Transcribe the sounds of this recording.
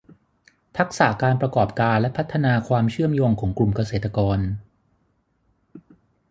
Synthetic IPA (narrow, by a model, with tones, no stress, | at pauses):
t̪ʰa˦˥k̚saː˩˦kaː˧npɾa˧kɔː˨˩p̚kaː˧nlɛ˦˥pʰa˦˥t̪ʰːa˧naː˧kʰwaː˧mt͡ɕʰɯ˥˩əmjoː˧ŋkʰɔː˩˦ŋklu˨˩mka˧s̬eː˨˩t̪ʰːa˧kɔː˧n